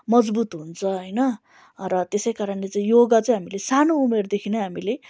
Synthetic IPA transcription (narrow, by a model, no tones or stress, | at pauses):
mʌd͡zbut̪ɦunt͡sʰʌɦʌjnʌ | rʌt̪esʌjkaɾʌnlet͡saĩjoɡat͡sʌj̃ɦamilesanoumerd̪ekʰinʌɦamile